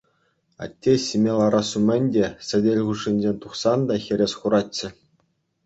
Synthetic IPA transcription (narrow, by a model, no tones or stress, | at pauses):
ɑ̰tʲːesʲimʲelˠɑɾɑsumʲɘ̆nʲdʲesʲɘ̆dʲelʲʁuʂinʲd͡ʑʲenʲt̪uχsɑnd̪ɑxʲɘ̆ɾʲesχuɾɑtʲːɘ̆